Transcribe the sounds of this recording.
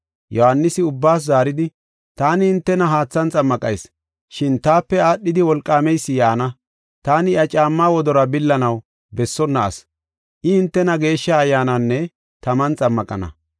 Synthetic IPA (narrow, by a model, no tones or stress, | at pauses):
jɔhanːɪsɪʊbːaːs̬zaːɾɪd̪ɪ | t̪aːnɪːnt̪ːɛnɐɦaːt͡sːɐnt͡sʼɐmːɐkʼɐ̰js | ʃɪnt̪aːpːɛaːɗːɪd̪ɪwɔlkʼːaːmɛjsːɪjaːnɐ | t̪aːnɪɐt͡ʃʼaːmːaːwɔd̪ɔɾɐbɪlːɐnɐw | bɛsːɔnːɐ̰ːs | ʔɪɪnt̪ːɛnɐɡe̞ːʃːɐːjːaːnɐnːɛ | t̪ɐmɐnt͡sʼɐmːɐkʼɐnɐ̰